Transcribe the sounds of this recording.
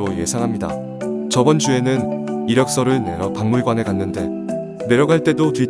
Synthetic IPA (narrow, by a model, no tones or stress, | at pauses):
ɾoje̞̰sʰaŋɦamɲida̰ | t͡ɕʌbʌnd͡ʑue̞nɯniɾjʌk̚s͈ʌɾɯɭne̞ɾjʌpaŋmuɭɡwane̞kanːɯnde̞ | ne̞ɾjʌɡɦaɭt͈e̞dotui